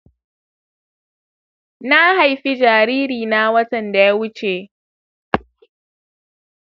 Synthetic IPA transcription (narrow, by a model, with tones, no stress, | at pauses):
na˦ha˨jɸi˦d͡ʒaː˨ɾiː˦ɾiː˨na˦wɐ˦tɐ˨nda˨ja˦wʊ˦t͡ʃeː˨